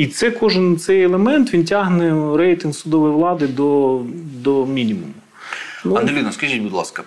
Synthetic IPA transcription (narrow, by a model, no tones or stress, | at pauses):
it̪sɛkɔʒɪnt̪sɛjɛlˠemɛnt̪ʋʲintʲaɦnɛɾɛjt̪ɪnsʊd̪ɔʋɔjʋlˠɑd̪ɪd̪ɔd̪ɔmʲinʲimumʊ | nuɐnelʲinɐskɐʒʲit̚ʲbʊd̪lˠɑ̰skɐ